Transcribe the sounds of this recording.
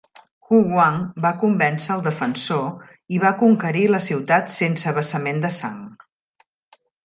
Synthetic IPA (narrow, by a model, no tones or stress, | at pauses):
xuɣwaŋbakumbɛnsəːlˠd̪əfənso | iβakuŋkəɾiləsiwt̪at̪sensəβəsəmend̪əsa̰ŋ